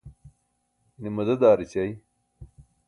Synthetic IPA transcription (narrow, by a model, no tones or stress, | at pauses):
nimɐd̪ɐd̪aːɾit͡ɕaj